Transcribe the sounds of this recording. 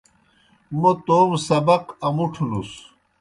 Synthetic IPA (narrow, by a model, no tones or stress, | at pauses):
mut̪oːmsɐbɐqɐmuʈʰunus